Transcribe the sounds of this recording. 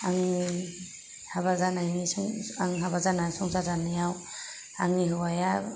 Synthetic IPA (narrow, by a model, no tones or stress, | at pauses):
aŋi | haβazanajnisuŋaŋɦabazanasɔŋzazanijaw | a̰ŋniɦɯwaja